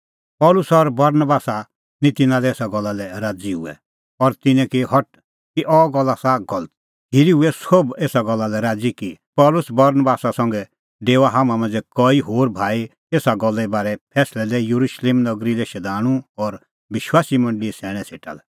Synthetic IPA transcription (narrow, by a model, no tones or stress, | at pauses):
pɔːlʊsɔɾbɐɾnbaːsa | nĩt̪ɪnãlɛeːsaɡɔlːalɛɾaːd͡ziɦʊ̰ɛ̰ | ɔɾt̪ɪnɛ̃kiɦɔʈ̚ | kiʔɔɡɔlːasaɡɔlət̪̚ | ɦiɾiɦuɛsobeːsaɡɔlːalɛɾaːd͡zikipɔːlʊsbɐɾnəbaːsasɐ̃ŋɡɛ | ɖeːʋaɦamãmãnd͡zɛkɔːiɦoːɾbʱaːi | eːsaɡɔlːɛbaːɾɛpʰɛːslɛd̪ɛjuɾuʃleːmnɐɡɾilɛʃɛd̪ʱaːɽ̃ũɔɾ | ʋɪʃwaːsimɐ̃ɳɖliɛsɛːɽ̃ɛ̃sʰeːʈa̰lɛ